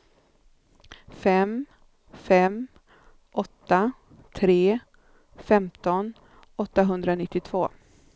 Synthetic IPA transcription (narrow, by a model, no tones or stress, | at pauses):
fɛm | fɛm | ʔɔt̪ːa | t̪ʰɾeː | fɛmt̪ɔn | ɔt̪ːaɦɵnd̪ɾanɪt̪ːɪt̪ʰv̥oː